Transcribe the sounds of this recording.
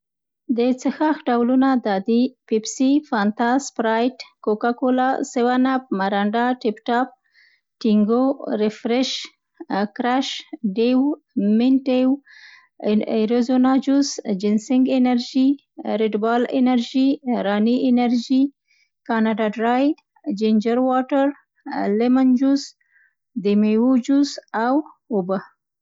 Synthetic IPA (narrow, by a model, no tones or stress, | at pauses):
d̪ət͡səxaxɖawlunad̪ɑd̪ipipsifant̪aspɾajʈkokakolɑsɪwanap̚maɾaɳɖaʈɪpʈɑp̚ | ʈiŋɡoɾɪfɾɪʃ | kɾaʃɖew | mɪnʈew | eɾozonɑd͡ʒusd͡ʒɪnsɪŋɡenaɾd͡ʒi | ɾɪʈbɑlḛnaɾʒiɾɑniʔɪnaɾd͡ʒi | kanaɖaɖɾaj | d͡ʒend͡ʒaɾwaʈaɾ | lemand͡ʒuz | d̪emewud͡ʒusaw | ʊba